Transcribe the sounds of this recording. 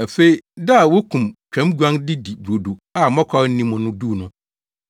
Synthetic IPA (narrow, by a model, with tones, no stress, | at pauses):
a˨fe˦i˦da˦a˨wo˦kʰũ˨mt͡ɕᶣʰã˨˦mɡu˦ã˦ndɪ˦di˨bɾo˨du˨a˨mɔ̃˦kʰɔ˦ɾn̩˦nĩ˦mːʊ̃˨nʊ̃˦du˦˨nʊ̃˦